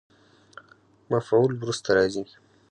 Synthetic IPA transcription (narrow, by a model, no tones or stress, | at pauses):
mafʕulwɾust̪aɾɑzi